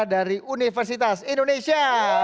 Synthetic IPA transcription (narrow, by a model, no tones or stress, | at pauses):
daɾiunifərs̬it̪asindonesia